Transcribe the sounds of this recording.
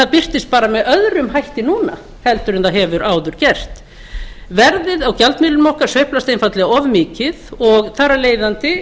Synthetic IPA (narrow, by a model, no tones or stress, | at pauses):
θaðpɪr̥t̪ɪst̪̚paːɾamɛðœðɾʏmɦajht̪ɪnuːna̰ | hɛlt̪ʏɾɪnθaðɦɛvʏɾʔaːwðʏɾ̥cɛr̥t̪ | vɛɾðɪðawcalt̪mɪːlʏnmɔhkaɾ̥svœɥhplast̪ejnfat̪lɛɣaɔvmɪːcɪðɔɣθaːɾaleːjðant̪ɪ